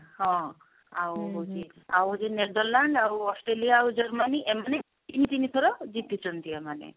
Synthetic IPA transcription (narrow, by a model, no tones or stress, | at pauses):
hɔ̃ | awɦod͡ʒi | a̰wɔd͡ʒeneɾd̪ɔɾlaɳɖaɾuɔsʈɾelijaːwd͡ʒɔɾmaniʔemane | t̪init̪init̪ʰɔɾɔd͡ʒit̪it͡ʃʰɔnt̪ʰiemanḛ